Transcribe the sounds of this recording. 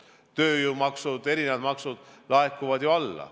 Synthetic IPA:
t̪ø̞ːjumɑksud̪̥e̞ɾinevɑd̪mɑksud̪̥lɑekːˑuvɑd̪̥joɑlːɑ̰

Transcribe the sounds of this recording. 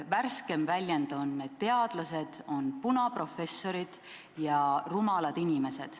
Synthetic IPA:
værske̞mvælʲjend̪o̞nːet̪ːe̞ɑd̪̥lɑse̞d̪̥o̞npunɑpro̞fe̞sːo̞ɾid̪̥ | jɑrumɑlɑd̪̥inʲime̞se̞d̪̥

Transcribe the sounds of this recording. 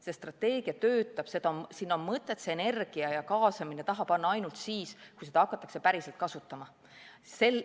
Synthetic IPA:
se̞st̪rɑt̪ːe̞ːɡ̥iɑt̪ø̞ːt̪ːˑɑb̥se̞d̪ɑsinːo̞nmɤt̪ːˑe̞t̪seene̞rɡ̥iɑjɑkɑːsɑminet̪ɑɦɑb̥ɑnːɑɑjnult̪siːskujse̞d̪̥ɑɑkːˑɑt̪ːˑɑ̥kse̞pæɾise̞lt̪̚kɑsut̪ːˑɑmɑ | se̞l

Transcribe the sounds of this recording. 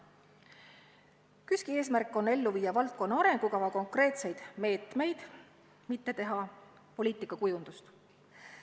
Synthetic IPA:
kyskie̞ːsmærkːˑo̞nːe̞lːuviːɑvɑlt̪̚ˑko̞nːɑɑɾe̞ŋɡ̥ukɑvɑko̞ŋkre̞ːt̪se̞jd̪̥me̞ːt̪me̞jd̪̥ | mit̪ːe̞t̪e̞ɦɑ | po̞liːt̪ˑikːˑɑkujund̪ust̪

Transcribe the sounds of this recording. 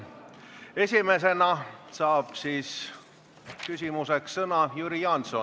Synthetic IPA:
e̞sʲime̞s̬e̞nɑsɑːb̥siːs | kysʲimuse̞ksːɤnɑjuɾijɑnso

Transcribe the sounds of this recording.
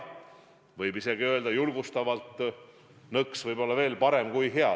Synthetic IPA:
vɤjbise̞ɡiø̞ld̪ɑjulɡ̥ust̪ɑvɑlt̪ːˑ | nɤksvɤjbo̞lːɑve̞ːlpɑɾe̞mkujɦe̞ɑ

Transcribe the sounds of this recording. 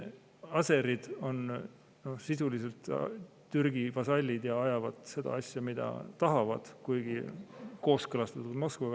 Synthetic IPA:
ɑse̞ɾid̪̥o̞n | no̞hsisulise̞lt̪ | t̪yrɡ̥ivɑsɑlʲːid̪̥jɑɑjɑvɑd̪̥se̞d̪̥ɑ̰ɑsʲjɑmid̪̥ɑ̰t̪ɑɦɑvɑ̰d̪̥kujɡ̥iko̞ːskɤlɑst̪ɑt̪ut̪mo̞skɑ

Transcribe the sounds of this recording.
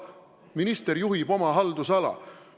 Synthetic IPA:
minist̪eɾjuɦibo̞mɑɦɑld̪usɑlɑ̰

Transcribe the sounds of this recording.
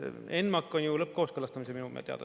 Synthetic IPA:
e̞nmɑkːˑo̞njulɤp̚ːkoːskɤlɑst̪ɑmiseminumḛt̪eɑ̰d̪̥

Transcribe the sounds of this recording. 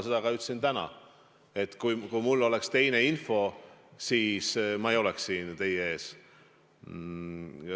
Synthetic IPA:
se̞d̪̥ɑɡɑyt̪ːsint̪ænɑ̰ | e̞t̪ːˑkujkujmulːo̞le̞kst̪e̞jne̞info̞siːsmɑejo̞leksːiːnt̪e̞jee̞ːs

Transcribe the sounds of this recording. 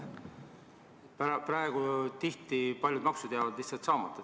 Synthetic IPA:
pprɑeɡ̥ut̪iht̪ˑipɑlʲjud̪̥mɑksud̪eɑvɑd̪̥liht̪sɑlt̪sɑːmɑt̪ːˑɑ

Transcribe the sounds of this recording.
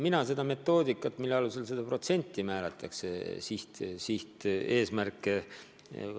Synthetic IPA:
minɑse̞d̪ɑme̞t̪ːo̞ːd̪ikːˑɑt̪ːˑmilːeɑluse̞lse̞d̪ɑpro̞t̪se̞nʲt̪ːˑimæːlet̪ːˑɑksesiht̪siht̪e̞ːsmærkːˑe

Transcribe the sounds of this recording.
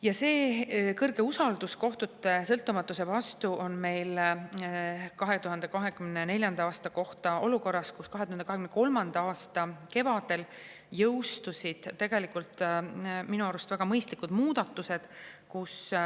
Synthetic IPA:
jɑse̞ːkɤrɡ̥e̞usɑld̪̥usko̞ht̪ut̪ːˑe̞sɤlt̪ːˑumɑt̪ːˑuse̞vɑst̪uʔo̞nme̞jl | kɑɦe̞t̪uɦɑnd̪̥e̞kɑɦe̞kymnene̞lʲjɑnd̪ɑɑːst̪ɑko̞ht̪ɑo̞luko̞rːɑskuskɑɦeuhɑnd̪ɑhekymneko̞lmɑnd̪ɑɑːst̪ɑke̞vɑd̪̥e̞l | jɤwst̪usid̪̥t̪ːe̞ɡ̥e̞likult̪minuɑɾust̪væɡ̥ɑmɤjst̪likud̪̥muːd̪̥ɑt̪ːˑuse̞d̪̥kus

